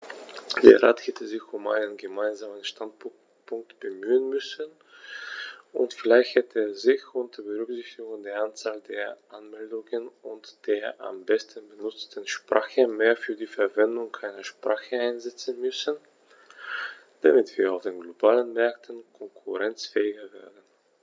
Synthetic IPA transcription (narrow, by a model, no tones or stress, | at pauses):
d̥eːɐʁaːthɛtʰəzɪçʊmʔa̰ɪnənɡəmaɪnzaːmənʃtant | pʰʊŋk̚tb̥əmyːənmʏsən | ʔʊ̰ntfɪlaɪçthɛtəeːɐzɪçʊntd̥ebəʁʏkz̥ɪçtɪɡʊŋdeːɐant͡saːldeːɐʔanmɛldʊŋənʊntd̥eːɐʔa̰mbɛstən̩bənʊt͡stənʃpʁ̥aːxəmeːɐfyːɐdiːfɛɐvɛndʊŋʰaɪnɐʃpʁ̥aːxəaɪnzɛt͡sən̩mʏsən | d̥amɪtv̥iːɐaʊfd̥eːnɡlobaːlənmɛɐk̚tʰən̩kʰɔŋkʰʊʁɛnt͡sfɛːɪɡɐveːɐdən̩